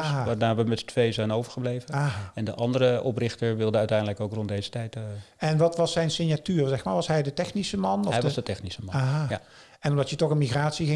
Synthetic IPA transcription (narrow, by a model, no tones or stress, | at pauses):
aɦaʋaːnaːɹʋəmɛtətʰʋejzɛjnowvəɹχəblejvənaaɛndəʔɑndəɾəɔprɪxtəɹʋɪlˠdəœɥtɛjndələkowkrɔntdejzətɛjtɛnʋɑtʋɑsɛjnsɪnjatyːrzɛxmaːɹʋɑsɦɛjdətɛxnisəmɑnɔɛjzdətɛxnisəmɑaɦa | ɛnɔmdɑtjətɔxənmixraːtsiɣɪ